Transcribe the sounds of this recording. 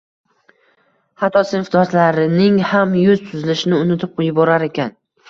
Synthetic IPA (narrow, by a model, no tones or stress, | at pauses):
hat̪ʰɒsɪnfd̪ɒslaɾɪnɪŋhamjʊzt̪ʰʊzɪlɪʃɪnɪʊnɪt̪ʰɪp̚qʰojɪbɒɾaɾe̞kʲʰan